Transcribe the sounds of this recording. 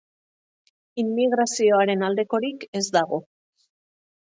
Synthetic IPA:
imːiɣɾasio̞aɾe̞nald̪e̞ko̞ɾike̞zd̪aɣ̞o̞

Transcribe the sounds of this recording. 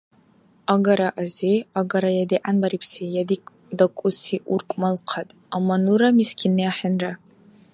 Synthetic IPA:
aɡaɾaʔaziaɡaɾajadiʔanbaɾipʰsejadikʼ | dakʷʼʊsiʔurkʷʼmalqʰatʼ | amːanuɾamiskʲʰinɨaħanra

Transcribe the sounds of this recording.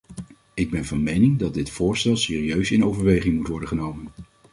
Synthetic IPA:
ɪɡ̚bɛnvɑnmejnɪŋdɑt̚dɪtfʊːɹstɛlˠsɪːriøɥsɪnowvəɹʋejχɪŋmutʋɔɹdəχənowmən

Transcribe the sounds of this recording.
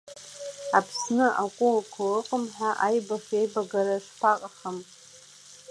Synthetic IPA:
apʰsnɨʔakʷʼʊlkʷʰalɨqʼəmħʷaʔajbaʂejbaɡaɾaʂpʰaqʼχam

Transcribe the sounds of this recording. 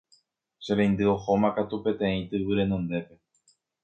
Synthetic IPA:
ʃeɾẽjnd̪ɨo̞ho̞mãkat̪upe̞t̪ẽ̞ĩt̪ɨβɨɾe̞nõ̞nd̪e̞pe̞

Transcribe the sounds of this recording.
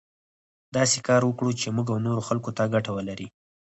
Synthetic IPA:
d̪ɑsekɑɾwəkɽut͡ʃemuɡawnoɾoxalkot̪aɡaʈawəlaɾi

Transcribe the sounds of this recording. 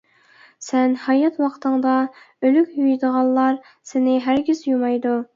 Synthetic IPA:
sɛnhɑjɑt̪wɑqt̪ʰəŋd̪ɑ | ølykʲjyjd̪əʁɑlˠlˠɑɾ | sɪnɪɦæɾɡʲizjumɑjd̪u

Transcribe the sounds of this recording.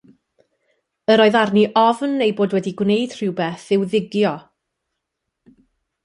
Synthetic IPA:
əɾoːɨðarniʔɔvnːejboːdwɛdiɡwnejd̥r̥ɪwbɛθɪwðɪɡjɔ

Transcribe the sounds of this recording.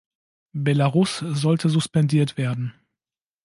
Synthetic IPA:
bɛlaʁʊszɔltʰəzʊspɛndiːɐtv̥eːɐdn̩

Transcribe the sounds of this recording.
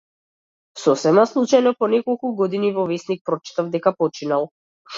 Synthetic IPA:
sɔsɛmaslˠut͡ʃajnɔpɔnɛkɔlˠkuɡɔd̪inivɔvɛsnik̚pɾɔt͡ʃi̥t̪avd̪ɛkapɔt͡ʃinalˠ

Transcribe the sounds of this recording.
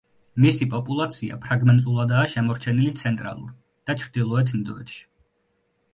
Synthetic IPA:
misipʼɔpʼulˠat̪sʰia̰pʰɾaɡmɛnt̪ʼulˠad̪aːʃɛmɔɾt͡ʃʰɛnilit̪sʰɛnt̪ʼɾa̰lˠṵɾ | d̪̥at͡ʃʰɾd̪ilˠɔɛt̪ʰnid̪ɔɛt̪ʃi̥

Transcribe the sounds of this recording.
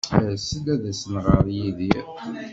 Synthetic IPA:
səlæðæsənʁəɾjiði

